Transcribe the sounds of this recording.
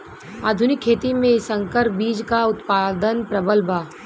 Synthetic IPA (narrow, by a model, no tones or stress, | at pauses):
aːd̪ʱʊnɪkʰːeːt̪imẽɪsə̃ŋkəɾbiːd͡ʒkaʊt̪paːd̪ənpɾɐbəlbaː